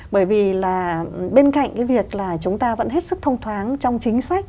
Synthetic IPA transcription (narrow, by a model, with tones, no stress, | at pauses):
ɓəː˧˩jvi˨˩laː˨˩ɓe˧nka̰˧˨ŋ̟kaː˨˦jvi˨˩ək̚laː˨˩t͡ɕʊ˨˦ŋ͡mt̪aː˧və̰˧˥nhɦe˦˥t̚sɨ˦˥k̚t̪ʰə˧wŋ͡mt̪ʰwaː˨˦nt͡ɕɔ˧wŋ͡mt͡ɕï˨˦ŋ̟sa˦˥kk̚